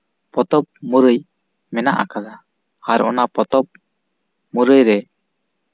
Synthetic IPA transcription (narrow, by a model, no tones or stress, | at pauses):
pɔt̪ɔp̚muɾɯj | mɛnaʔa̰kad̪a | aɾɔ̰napɔt̪ɔp̚ | məɾɯjɾɛ